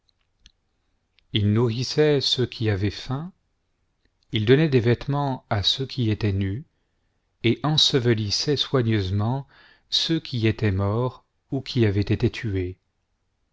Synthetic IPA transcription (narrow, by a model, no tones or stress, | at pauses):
ilnuʁisɛsəkʰʲiavɛfɛ̃ | ild̪ɔnɛd̪evɛt̪mɑ̃asøkʲʰiet̪ɛny | eʔɑ̃səvəlisɛswaɲøzmɑ̃ | søkʲʰiet̪ɛmɔʁ | ukʲʰiavɛt̪et̪et̪ʰye